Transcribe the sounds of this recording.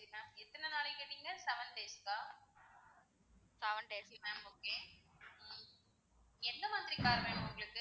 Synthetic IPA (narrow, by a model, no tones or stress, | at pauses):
sɐɾinaːɛt̪ːɐnɐnaːlɪkːeːʈːiŋɡɐsɛʋɐɳʈeːskaː | sɛʋɐɳʈeːsmɛ̃moːkeː | ɛnd̪ɐmɐnd̪ɾikaːɾɐʋeːɳɯ̃ʊŋɡɐɭɯkːɯ